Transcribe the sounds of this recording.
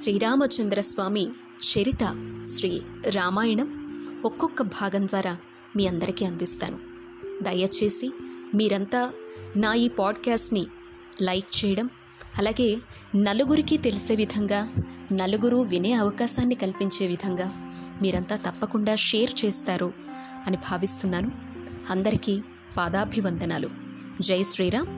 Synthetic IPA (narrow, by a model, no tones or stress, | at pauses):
ʃɾiːɾaːmɐt͡ʃɐnd̪ɾɐsʋaːmi | ʃeɾit̪ɐʃɾiːɾaːmaːjɐɳɐmɔkːɔkːɐbʱaːɡɐmd̪ʋaːɾaː | miːɐnd̪ɐɾikiɐnd̪ist̪a̰ːnu | d̪ɐjɐt͡ʃe̞ːsimiːɾɐnt̪aːnaːiːpaːɖkaːsʈni | lɐjk̚t͡ʃɛːjɐɽɐm | ɐlaːɡe̞ː | nɐluɡuɾikit̪e̞lise̞ːʋid̪ʱɐŋɡaːnɐluɡuɾuʋineːɐʋɐkaːʃaːnːikɐlipiɲt͡ʃe̞ːʋid̪ʱɐŋɡaː | miːɾɐnt̪aːt̪ɐpːɐkuɳɖaːʂeːɾt͡ʃeːst̪aːɾu | ɐnibʱaːʋist̪unːaːnu | ɐnd̪ɐɾiki | paːd̪aːbʱiʋɐnd̪ɐnaːlṵ | d͡ʒɐjsɾiːɾaː